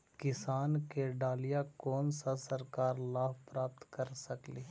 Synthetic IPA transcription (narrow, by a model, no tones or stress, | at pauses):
kɪsaːnkeɖaːlijakɔːnsasɐɾkaːɾlaːpɾaːp̚t̪kɐɾsɐkleː